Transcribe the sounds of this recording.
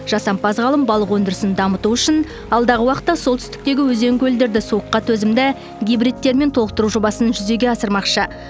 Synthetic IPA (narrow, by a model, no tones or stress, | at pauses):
ʒ̥ɑsɑmpɑzʁɑlˠəmbɑlˠəqwɵnd̪ɪɾɪsɪnd̪ɑmət̪uʏʃɪn | ɑlˠd̪ɑʁəwɑqət̪ːɑsolˠt̪ʰʏ̥st̪ɪ̥k̚t̪e̞ɡʲɪwɵze̞ŋɡʲɵld̪e̞ɾd̪ɪsuəqːɑt̪ʰɵzɪmd̪ɪ | ɡʲijbrijt̪ːe̞ɾme̞nt̪ʰolˠəqt̪əɾuʒo̞bɑsənʒʏze̞ɡʲe̞ɑsəɾmɑqʃə